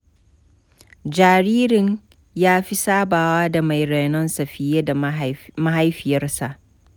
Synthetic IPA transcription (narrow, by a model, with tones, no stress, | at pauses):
d͡ʒaː˨ɾiː˦ɾɪ˨ɲ | jaː˦ɸi˦saː˦baː˨waː˦da˨ma˨jɾe˨nɔ˦nsɐ˨ɸɪ˦jeː˦da˨ma˦ɦa˦jɸɪ˨jɐ˦rsa˨ʔ